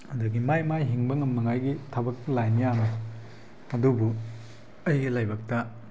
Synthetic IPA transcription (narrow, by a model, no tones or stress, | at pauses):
ɐduɡimajmajɦiŋbɐŋɐmːɐŋajɡitʰɐbɐk̚lajnijanɐ | ɐdubu | ɐjɡɐlajbɐk̚tɐ